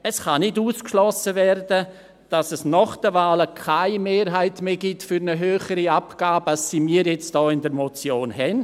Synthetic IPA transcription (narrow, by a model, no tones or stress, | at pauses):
əsχanɪduːskʃlɔsəvɛrdə | d̥ɑsɛsnɔχd̥əvaːləkʰaɪmeːɾɦaɪtmeːɡitfyɾnəɦøːχəɾiapɡ̥aːbasːimiːɾjɛt͡std̥ɔːɪndəɾmot͡sjoːnɦɛn